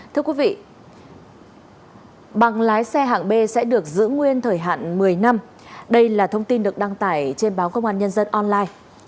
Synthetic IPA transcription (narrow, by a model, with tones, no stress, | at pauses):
t̪ʰɨ˧əkwi˨˦vḭ˧˨ | ɓa˨˩ŋlaː˨˦jsɛ˧ɦa̰ː˧˨nɓe˧sɛ̰˧˥ɗɨ˨˩ək̚zɨ̰˧˥ŋwi˧ənt̪ʰəː˧˩jɦa̰ː˧˨nmɨ˨˩əjna˧m | ɗə˧jlaː˨˩t̪ʰə˧wŋ͡mt̪i˧nɗɨ˨˩ək̚ɗa˧ŋt̪a̰ː˧˩jt͡ɕe˧nɓaː˨˦wkə˧wŋ͡mʔaː˧nɲə˧nzə˧nʔɔ˧nlaː˧j